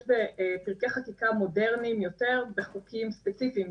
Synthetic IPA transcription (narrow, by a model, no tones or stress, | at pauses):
ʃbepiʁkeχakikamo̞de̞ʁnimjo̞te̞ʁbeχukimspet͡sifiːm